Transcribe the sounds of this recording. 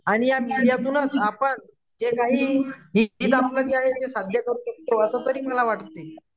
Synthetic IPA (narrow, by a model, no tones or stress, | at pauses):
aɽ̃ijamiɽijat̪uːnət͡sapəɳ | d͡ʑekaɦiːɦiiːt̪aplad͡ʑeaɦet̪esad̪ʱjəkəɾuːɕək̚t̪oəsət̪əɾiːməlaʋaʈt̪ːe